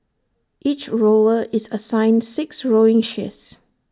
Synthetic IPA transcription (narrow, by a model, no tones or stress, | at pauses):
ʔit͡ʃɹoʊəʔɪzəsãɪ̃ndsɪksɹoɪ̃ŋʃɪs